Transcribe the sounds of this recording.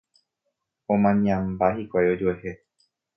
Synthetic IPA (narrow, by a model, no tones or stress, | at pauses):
õmãɲãmbahikʷajo̞d͡ʒoeɦe